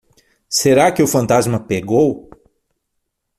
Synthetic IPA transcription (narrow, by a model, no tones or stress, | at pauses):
seɾakɪʊfɐ̃nt̪azmɐpeɡow